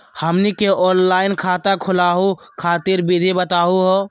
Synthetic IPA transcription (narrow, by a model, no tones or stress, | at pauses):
həmnikeʔɔːnlaːɪnkʰaːt̪akʰʊlaːɦukʰaːt̪iɾbid̪ʱibət̪aːɦuɦoː